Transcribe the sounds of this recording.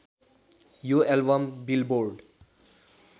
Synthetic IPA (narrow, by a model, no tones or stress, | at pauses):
juɛlbʌmbilboɾɖ